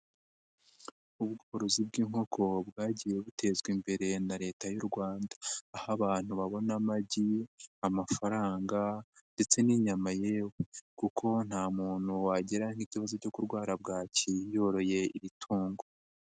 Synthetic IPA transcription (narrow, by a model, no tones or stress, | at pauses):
ubɡoːɾozibɡiːŋho̞kʰo̞bɡaːɟije̞βutʰe̞zɡwimbe̞ɾe̞naɾe̞ːtajuɾɡwaːndaːhaβaːn̥huβaβo̞namaɟiamafaɾaːŋɡande̞t͡se̞niɲamaje̞wekukʰo̞n̥haːmuːn̥huwaɟeɾaŋ̥iciβazo̞co̞kuɾɡwaːɾab̚ɡaːcijo̞ɾo̞je̞iɾitʰuːŋɡo